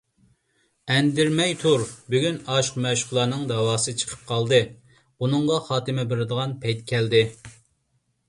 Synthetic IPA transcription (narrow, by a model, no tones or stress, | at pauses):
ɛnd̪ɪɾmɛjt̪ʰuɾbyɡʲynɑʃqmɛʃʊ̥χlˠɑːnɨŋd̪ɑwɑːsɨt͡ʃʰə̥qʰə̥p̚qʰɑlˠd̪ɨ | bunɨɴʁɑχɑːt̪ɨmɛbɪɾɪd̪əʁɑnpʰɛjt̪kʲʰɛld̪ɪ